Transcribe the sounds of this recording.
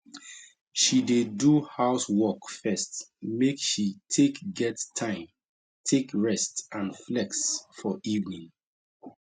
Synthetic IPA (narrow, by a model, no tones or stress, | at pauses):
ʃideduhaʊswɔkfɛstmekʃitʰekɡɛttʰãɪ̃m | tʰekɹɛstãnflɛksfɔʔivnĩŋ